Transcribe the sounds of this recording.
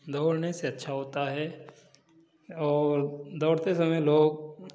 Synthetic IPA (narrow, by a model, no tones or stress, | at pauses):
d̪ʱoːɽneseɐtːʃʰaɦoːt̪aɦɛ | ɔːɾd̪ɔːɽt̪esɐməjloːɡ̚